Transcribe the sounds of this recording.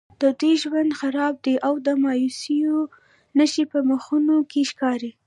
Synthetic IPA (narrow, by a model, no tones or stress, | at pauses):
d̪̥əd̪ujʒwand̪xaɾɑb̚d̪eʔawd̪əmɑjusijo | nəʃipəməxunokeʃkɑɾi